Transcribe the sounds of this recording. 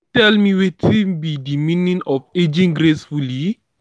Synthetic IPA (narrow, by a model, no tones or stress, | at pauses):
tɛlmiwetibidimĩnĩnɔfed͡ʒĩŋɡɾesfuli